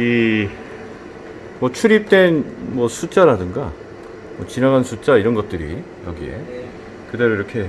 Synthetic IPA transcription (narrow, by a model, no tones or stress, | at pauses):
i | mwʌt͡ɕʰuɾip̚t͈we̞nmwʌsʰut͡ɕ͈aɾadɯŋɡa̰ | mwʌt͡ɕinaɡansʰut͡ɕ͈aiɾʌnɡʌt̚t͈ɯɾḭ | jʌɡie̞̰ | kɯde̞ɾoiɾʌkʰe̞